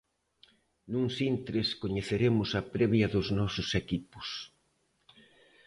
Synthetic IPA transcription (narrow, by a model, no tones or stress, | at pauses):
nũŋsint̪ɾɪskoɲeθeɾemʊsɐpɾɛβjɐðʊznɔsʊsekipʊ̥s